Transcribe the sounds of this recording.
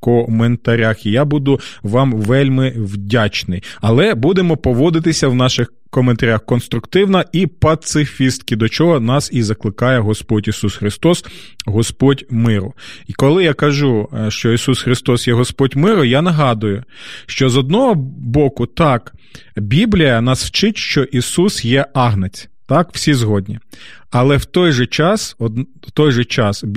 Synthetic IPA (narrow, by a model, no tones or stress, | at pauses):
kɔment̪ɐɾʲaxijabud̪ʊʋɑmʋɛlʲmɪwdʲat͡ʃnɪjɐlˠɛbud̪emɔpɔʋɔd̪ɪt̪̬ɪsʲɐwnɑʃɪx | kɔment̪ɐɾʲaxkɔnst̪ɾʊkt̪ɪwnɐipɐt̪sɪfʲist̪̚kʲɪd̪ɔt͡ʃɔɦɔnɑsizɐklˠɪkɑjɛɦɔspɔtʲisusxɾɪst̪ɔs | ɦɔspɔtʲmɪɾʊikɔlˠɪjakɐʒuʃt͡ʃɔisusxɾɪst̪ɔsjɛɦɔspɔdʲmɪɾʊjanɐɦɑd̪ʊjʊʃt͡ʃɔzɔd̪̚nɔɦɔbɔkʊt̪ɑk | bʲiblʲijɐnɐswt͡ʃɪtʲʃt͡ʃɔʔisusjɛɑɦnet͡sʲ | t̪ɑkw̥sʲizɦɔdʲnʲi | ɐlˠɛwt̪ɔjʒɛt͡ʃɑsɔ | wt̪ɔjʒɛt͡ʃɑs